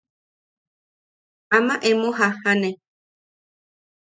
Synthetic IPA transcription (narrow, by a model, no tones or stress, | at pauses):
amãʔemõɦahane